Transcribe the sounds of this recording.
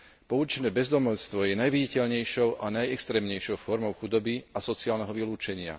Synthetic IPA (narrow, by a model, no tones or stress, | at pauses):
pɔut͡ʃɛnɛːbɛzd̪ɔmɔʎst̪ʋɔjɛnajʋiɟicɛʎɲɛjʃɔʊʔanajɛkst̪ɾɛːmɲɛjʃɔʊfɔɾmɔʊxud̪ɔbiasɔt͡siaːlnɛɦɔʋiluːt͡ʃɛɲɪa̰